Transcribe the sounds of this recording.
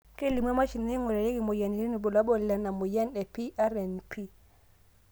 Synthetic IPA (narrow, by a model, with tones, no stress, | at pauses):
ke˦˨li˨mwa˦ma˦t͡ʃi˨n˨e˦ŋɔ˨la˨le˦ki˨mo˨ja˨ni˨ɾi˦ni˨bo˨la˦ɓɔ˦˨la˨na˨mo˨ja˦nɛ˨pi˦ʔa˦ɾɛ˨npʰi˦